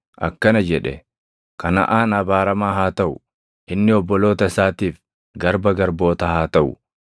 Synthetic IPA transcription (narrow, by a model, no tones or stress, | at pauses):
ʔɐ̰kːɐnɐd͡ʒɛᶑɛ | kɐnɐ̰ʔaːnɐbaːɾɐmaːɦaːt̪ɐʔʊ | ʔɪnːɪɔbːɔlo̞ːt̪ɐɪsaːt̪iːf | ɡɐɾbɐɡɐɾbo̞ːt̪ɐhaːt̪ɐʔʊ